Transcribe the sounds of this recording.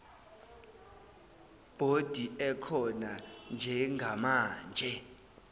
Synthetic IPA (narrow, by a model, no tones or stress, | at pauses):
b̥ʱod̥ʱiɛkʰɔnand͡ʒʱɛŋɡʱamaːnd͡ʒʱɛ